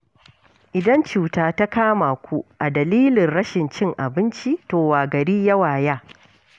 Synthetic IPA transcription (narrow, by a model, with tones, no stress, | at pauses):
ʔɪ˨dɐ˦nt͡ʃuː˨taː˦ta˦kaː˦maː˨kʷu˦ʔa˨dɐ˨liː˦lɪ˨nɽɐ˦ʃɪ˨nt͡ʃɪ˦ŋʔa̰˨bɪ˦nt͡ʃiː˦toː˨waː˨ɡɐ˨ɾiː˦jɐ˦waː˨jaː˦